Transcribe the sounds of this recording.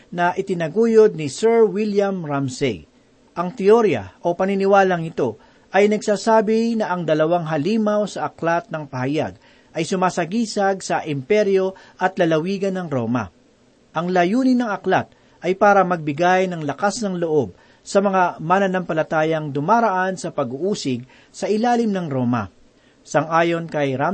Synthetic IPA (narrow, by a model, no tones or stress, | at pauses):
nɐʔɪt̪ɪnɐɡuːjod̪̚nɪsɛɹwiljɐmɹamsɛ̰j | ʔɐŋt̪ɪoɾjɐ̰ʔo̞pɐninɪwaːlɐŋɪt̪o̞ | ʔɐjnɐɡsaːsaːbɪnɐʔɐŋd̪ɐlɐwaŋɦɐliːmawsɐʔɐklat̪̚nɐŋpɐhɐja̰ɡ̚ | ʔɐjsʊmaːsɐɡiːsɐɡ̚sɐʔɪmpɛɾjo̞ʔɐt̪lɐlɐwiːɡɐnːɐŋɾo̞ːmɐ̰ | ʔɐŋlɐjuːnɪnɐŋɐklat̪̚ | ʔɐjpaːɾɐmɐɡ̚bɪɡajnɐŋlɐkasnɐŋloʔo̞b̚ | sɐmɐŋamanɐnɐmpɐlɐt̪aːjɐŋd̪ʊmaɾɐʔansɐpɐɡuʔuːsɪɡ̚ | sɐʔɪlaːlɪmnɐŋɾo̞ːmɐ̰ | sɐŋʔaːjo̞nkɐjɾa